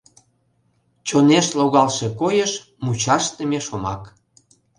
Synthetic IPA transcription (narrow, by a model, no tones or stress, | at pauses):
t͡ɕoneʃloɣɑlʃekojəʃ | mut͡ɕɑʃt̪ə̆mʲeʃomɑ̰k